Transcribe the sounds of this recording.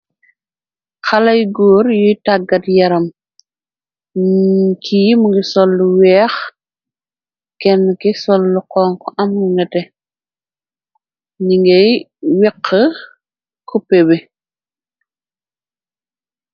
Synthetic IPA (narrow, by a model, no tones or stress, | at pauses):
xɐlɐjɡɔːɾjujtaɡɐtjɐɾɐm | kʰiːmuŋɡisɔlːuwɛːx | kɛnːkɛsɔlːuqɔːŋkɔʔɐmuŋɡɛtɛ | ɲiŋɡɛj | wiqʰːə | kʰupːɛbɛ